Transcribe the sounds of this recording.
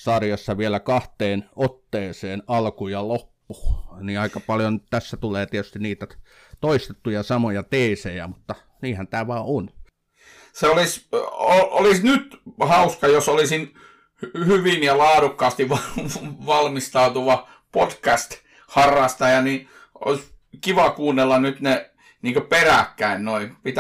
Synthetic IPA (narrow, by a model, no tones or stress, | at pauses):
sɑrjɑsːɑʋielækɑht̪eːnot̪ːeːseːnɑlkujɑlopːu̥ːniɑˑikɑpɑljontt̪æsːæt̪uleːt̪iet̪y̥st̪iniːt̪æ | t̪oist̪et̪ːujɑsɑmojɑt̪eˑisejæmut̪ːɑ | niːhænt̪æːʋɑːon | seolisoʔolisnyt̪hɑuskɑjosolisin | hhyʋinjɑlɑːdukːɑːst̪iʋɑʋɑlmist̪ɑut̪uʋɑ | potkæst̪ | hɑrːˑɑst̪ɑjɑni | o̰iskiʋɑkuːnːelːɑnyt̪ne | niːŋkøperækːæinnoipit̪